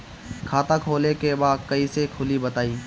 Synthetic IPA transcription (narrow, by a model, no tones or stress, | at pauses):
kʰaːt̪ãːkʰoːlekebaːd̪̚kəiːsekʰʊlibət̪aːiː